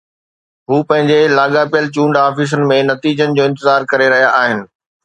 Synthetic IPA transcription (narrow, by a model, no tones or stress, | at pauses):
ɦuːpɐ̃ɦɪ̃ɲd͡ʑelaːɠapijəlt͡ɕũːɳɖaːfis̬ənɪ̆mẽnɐt̪iːd͡ʑənɪ̆d͡ʑoːɪ̃nt̪ɪzaːɾkɐɾeɾɐɦijaʔaːɦɪnɪ̆